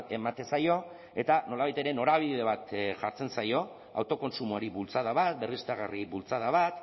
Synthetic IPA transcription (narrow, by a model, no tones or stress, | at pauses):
e̞mat̪e̞sajo̞ | e̞t̪ano̞laβajt̪e̞ɾe̞no̞ɾaβ̞iðe̞β̞at̪ʝaɾt͡se̞nsajo̞ | a̰wt̪o̞ko̞nsumuaɾiβult͡saðaβat̪̚be̞rist̪aɣariβult͡saðaβat̪